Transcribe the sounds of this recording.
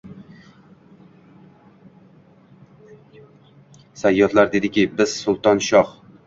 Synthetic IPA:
sajːɒt̪laɾd̪ed̪ɪkʲɪbɪz̥sʊlˠt̪ɒnʃɒχ

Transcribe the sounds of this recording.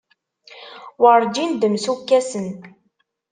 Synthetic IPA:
wəɾˤd͡ʒind̪əmsukːæsən

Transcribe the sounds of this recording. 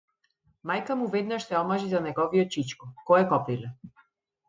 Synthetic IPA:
majkamuvɛd̪naʃsɛɔmaʒizanɛɡɔviɔt̪̚t͡ʃit͡ʃkɔkɔɛkɔpilɛ

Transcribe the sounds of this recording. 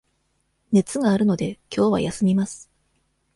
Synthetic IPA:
ne̞t͡sɨɡaːɾɯ̟no̞d̪e̞kʲo̞ːβ̞a̰jasɨmʲimasɨ̥

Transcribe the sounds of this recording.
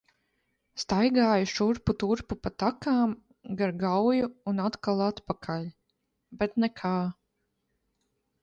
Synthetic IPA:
st̪ajɡaːjuʃuɾput̪uɾpupat̪akaːm | ɡaɾɡawjuːnat̪kalˠat̪pakʰalʲ | bɛt̪nɛkʰaː

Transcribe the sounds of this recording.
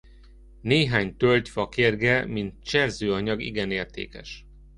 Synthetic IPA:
neːɦaːɲt̪ølʲcfɒkerɡɛmint̪̚t͡ʃɛrzøːɒɲɒɡḭɡɛneːrt̪ḛːkɛ̰ʃ

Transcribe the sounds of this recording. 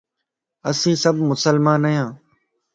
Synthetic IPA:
əsĩːsəbʱmʊsəlmãːnəjãː

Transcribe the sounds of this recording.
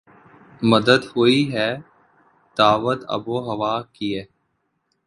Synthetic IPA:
məd̪əd̪hoːiɦɛː | d̪̥aːʋət̪ə̰boːɦəʋaːkiɛː

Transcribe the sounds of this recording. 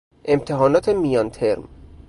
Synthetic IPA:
ʔe̞mt̪ʰeɦɒːnɒːt̪ʰemijɒnt̪ʰeɾm

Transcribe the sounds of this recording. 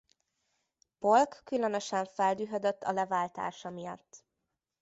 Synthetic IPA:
polkːylø̞nøʃɛɱfɛld̪yːɦød̪øt̪ːɒlɛvaːlt̪a̰ːʃɒmijɒ̰t̪ː

